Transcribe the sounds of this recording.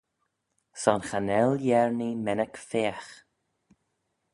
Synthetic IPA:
sɔnxanɛljɛɹnimɛnəkfeːax

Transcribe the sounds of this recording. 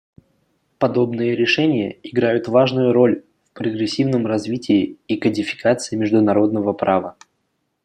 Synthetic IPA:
pɐd̪o̞bnɨjəɾʲɪʂɛnʲɪjə̰ɪɡɾajʊt̪vaʐnʊjʊɾo̞lʲ | fpɾəɡɾʲɪsʲːivnəmrɐzvʲitʲɪːkədʲɪfʲɪ̥kat̪sɨɪmʲɪʐd̪ʊnɐɾo̞d̪nəvəpɾavə

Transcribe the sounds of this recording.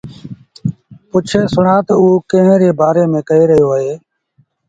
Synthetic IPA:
pʊt͡ʃʰeːsʊɳaːt̪əuːkə̃ɦɾeːbaːɾeːmẽːkəeːɾəɦjoːəɦeː

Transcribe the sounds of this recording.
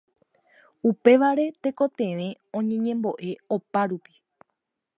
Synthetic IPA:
upe̞ʋaɾe̞t̪e̞ko̞t̪ẽʋẽ̞ | õ̞ɲẽ̞ɲẽ̞mbo̞ʔe̞opaɾupi̥

